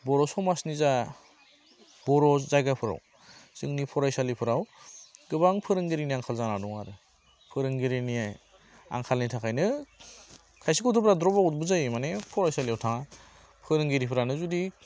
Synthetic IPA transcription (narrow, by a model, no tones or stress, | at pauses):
bɔɾɔsɔmasniza | bɔɾɔzajɡapʰɯɾa̰w | z̥ɯŋnipʰɔɾajsalipʰɯɾawɡɯbaŋpʰɯɾɯŋɡiɾiniaŋkʰalzanadɔŋa̰ɾɯ | pʰɯɾɯŋɡiɾinijaj | a̰ŋkʰalnitʰakʰajnɯ | kʰajsikɔtʰɯbɾadɾɔbaut̚bɯzajmanepʰɔɾajsaliawtʰaŋa | pʰɯɾɯŋɡiɾipʰɯɾanɯzudi